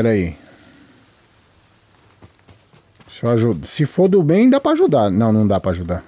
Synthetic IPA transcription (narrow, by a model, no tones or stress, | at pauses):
ɛɾai | soaʒud̪ɐsɪfoɾd̪ʊbẽj̃d̪apɾɐaʒud̪anɐ̃w̃nɐ̃w̃d̪apɾaːʒud̪a